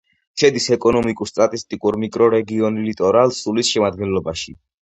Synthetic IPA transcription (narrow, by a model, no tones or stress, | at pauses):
ʃɛd̪isɛkʼɔnɔmikʼuɾst̪ʼat̪ʼist̪ʼikʼuɾmikʼɾɔɾɛɡiɔnilit̪ʼɔɾalˠsulisʃɛmad̪̚ɡɛnlɔbaʃi